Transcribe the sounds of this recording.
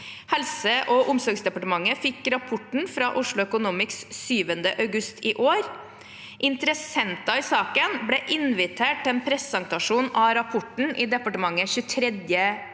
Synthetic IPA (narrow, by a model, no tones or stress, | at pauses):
hɛlsəʔɔʔʊmsɔɾɡsd̪ɛpɑʈəmɑŋːəfɪkːɾɑpʰʊʈɳ̩fɾɑːʔʊʂɭʊœkʊnuːmɪkssyːʋənd̪əʔɑʉɡʉst̪ʰɪːʔoːɾ | ʔɪnt̪əɾəsɛnt̪ɑɪsɑːkənblɛʔɪnʋɪt̪ʰeːʈ̚t̪ɛːnpʰɾɛsɑŋt̪ɑʂuːnɑɾɑpʰʊʈɳ̩ʔɪd̪ɛpɑʈəmɑŋːəçʉːt̪ʰɾɛd̪jə